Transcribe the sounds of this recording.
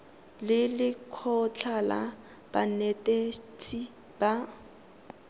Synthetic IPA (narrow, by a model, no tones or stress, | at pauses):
lɪlɪkʰɔt͡ɬʰala | b̥anetʼetʰʼi | ba